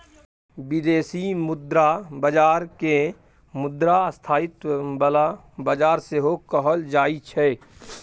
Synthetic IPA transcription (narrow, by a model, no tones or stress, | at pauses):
bɪd̪eːsimʊd̪ɾabəd͡ʒaːɾke | mʊd̪ɾast̪ʰaːɪt̪bəla | bəd͡ʒaːɾseɦokəɦəld͡ʒaːit͡ʃʰɛ